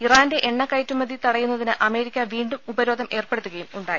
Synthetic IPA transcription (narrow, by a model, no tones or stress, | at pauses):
iraːnde̞ʔeɳːɐkːɐjtːumɐd̪it̪ɐɽɐjːunːɐðinɨʔɐme̞ːɾikʲːɐʋiːɳɖuubɐɾo̞ːd̪ʱɐme̞ːrpeɽut̪ːuɣɐjumuɳɖaːji